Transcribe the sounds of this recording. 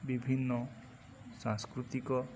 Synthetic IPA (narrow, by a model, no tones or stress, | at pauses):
bibʱinːɔ | sãŋskɾut̪ikɔ